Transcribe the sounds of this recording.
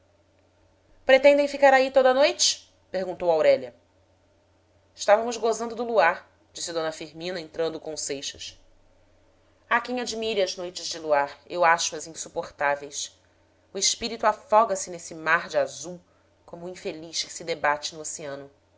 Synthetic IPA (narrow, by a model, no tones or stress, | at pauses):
pɾet̪ẽnd̪ẽj̃fikaɾait̪od̪ɐnojt͡ʃɪ̥ | pehɡũnt̪owawɾɛlʲɐ | ɪʃt̪avɐmʊzɡozɐ̃nd̪ʊd̪ʊluaɾ | d͡ʒisɪd̪õnɐfiɾmĩnɐẽnt̪ɾɐ̃nd̪ʊkõsejʃɐs | akẽj̃ad͡ʒimiɾɪɐznojt͡ʃɪzd͡ʒɪluaɾewaʃʊɐzĩsupoχt̪avejs | ʊɪʃpiɾit̪ʊafɔɡɐsɪnesɪmaɾd͡ʒɪazuw | kõmʊĩfeliʃkɪ̥sɪd̪ebat͡ʃɪnʊoseɐ̃nʊ